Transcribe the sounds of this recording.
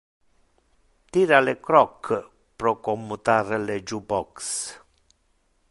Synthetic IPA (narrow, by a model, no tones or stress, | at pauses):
t̪iɾalekɾɔkʰː | pɾɔkɔmːut̪aɾled͡ʒubɔks